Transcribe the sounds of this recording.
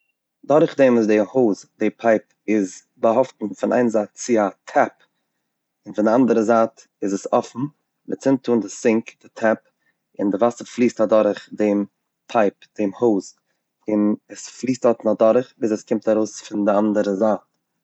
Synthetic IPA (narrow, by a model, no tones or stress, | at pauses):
dɔɾχdɛːmɪzdɪhoːzdepʰaɪp | ɪz | baɦɔftn̩fɪnʔa̰ɪnzaːtt͡sɪatʰɛp | ɪnfɪndɪandəɾəzaːt | ɪzəsɔfn̩ | vɪ̰t͡sɪntʰuːndɪsɪŋkd̥ɪtʰɛp | ɪ̰ndɪvasəflˠiːstadɔɾɪχdem | pʰaɪpd̥eːmhoʊz | ɪnɛsflˠiːstɔtnadɔɾχviːsɛskɪmtaɾoʊsfɪndɪandəɾəzaːt